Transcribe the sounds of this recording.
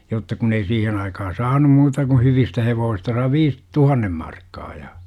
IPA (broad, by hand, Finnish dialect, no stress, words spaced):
jotːɑ kun ei siːhen ɑikɑhɑ sɑːnum muːtɑ ku hyʋistæ heʋoːsistɑ sɑi ʋiːs tuhɑnːem mɑrkːɑː jɑ